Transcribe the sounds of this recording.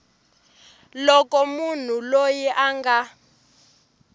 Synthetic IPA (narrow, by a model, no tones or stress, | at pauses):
lɔkɔmun̤ulojiʔaŋɡa